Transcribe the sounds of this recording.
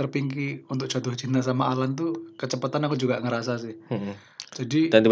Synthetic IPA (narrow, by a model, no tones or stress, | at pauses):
ərpiŋkiunt̪ʊk̚t͡ʃat̪ʊht͡ʃint̪asamaːlant̪̬ukət͡ʃəpat̪anakud͡ʒuɡaŋəɾasasɪh | d͡ʒadidant̪i